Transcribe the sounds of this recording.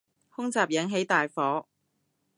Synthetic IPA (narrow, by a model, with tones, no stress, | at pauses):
hʊ˥ŋt͡saː˨p̚jɐ˨˥ŋɦe˨˥jt̪aː˨jfɔː˨˥